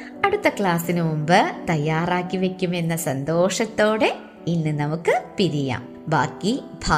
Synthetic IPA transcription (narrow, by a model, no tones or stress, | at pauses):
ɐɽut̪ːɐkɭaːsinɨmumbɨt̪ɐjːaːraːkːiʋe̞kʲːume̞nːɐsɐnd̪o̞ːʂɐt̪ːo̞ːɽe̞ | inːɨnɐmukːɨpiɾija̰ːm | bʱaːkːibʱaː